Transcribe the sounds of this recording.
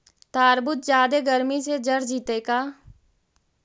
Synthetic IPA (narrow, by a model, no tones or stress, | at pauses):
t̪aːɾbʊt̪̚d͡ʒjaːd̪eɡəɾmised͡ʒəɾd͡ʒiːt̪ekaː